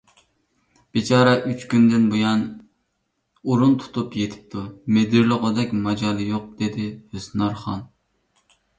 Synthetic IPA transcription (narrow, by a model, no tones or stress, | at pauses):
b̥it͡ʃʰɑːɾɛʔyt͡ʃkʲynd̪ɪnbujɑn | uɾunt̪ʰu̥t̪ʰupjet̪ʰɪ̥p̚t̪ʰumed̪ɪɾlˠəʁəd̪ɛkʲmɑd͡ʒɑːlˠɨjoq̚d̪̥ed̪ɪhøsnɑɾχɑn